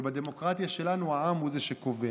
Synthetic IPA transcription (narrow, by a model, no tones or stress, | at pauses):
bad̪e̞mo̞kʁat̪jaʃe̞lanuaamhuzeʃeko̞ve